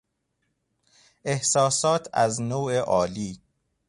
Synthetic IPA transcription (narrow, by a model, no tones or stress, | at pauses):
ʔe̞hsɒːsɒːt̪ʰæ̰znoːeʔɒːliː